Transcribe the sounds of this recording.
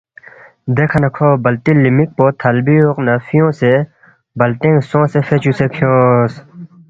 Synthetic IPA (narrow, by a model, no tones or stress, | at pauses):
d̪eːkʰɐnɐkʰoːbɐlt̪ilimik̚poːt̪ʰɐlbioqnɐfijõːse | bɐlt̪ẽŋsõːsefʰet͡ɕusepʰijõːs